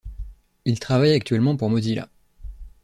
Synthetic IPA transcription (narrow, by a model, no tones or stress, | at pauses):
ilt̪χavajak̚t̪ɥɛlmɑ̃puʁmɔd̪ila̰